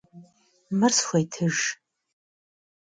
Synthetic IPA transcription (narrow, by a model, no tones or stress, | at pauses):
mɨrsxʷajtʰɨʒ